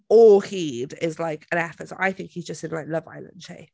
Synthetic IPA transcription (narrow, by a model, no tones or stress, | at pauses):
ɔlˠhidɪzlaɪkʰə̃ñɛfətsʔaɪθɪ̃ŋkhizd͡ʒʌstɪ̃nlaɪk̚lʌva̰ɪlə̰̃n̥ʃḛɪ